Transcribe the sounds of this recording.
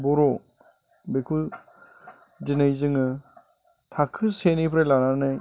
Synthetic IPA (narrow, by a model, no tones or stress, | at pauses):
bɔɾo | bekʰu | dinɯjzɯŋɯ | tʰakʰːɯsenipʰɾelananɯj